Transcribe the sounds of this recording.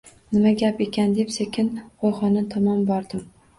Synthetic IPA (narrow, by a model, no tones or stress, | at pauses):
nɪmaɡʲape̞kʲʰand̪e̞psekʲʰɪnqʰojχɒnat̪ʰɒmɒmbɒɾd̪ɪm